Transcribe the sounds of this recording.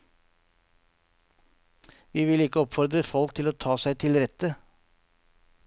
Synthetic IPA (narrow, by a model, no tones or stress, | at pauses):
ʋiːʋɪlɪkːəɔpfɔɾd̪ɾəfɔlkt̪ʰɪloːt̪ʰɑːsæɪt̪ʰɪlɾɛt̪ə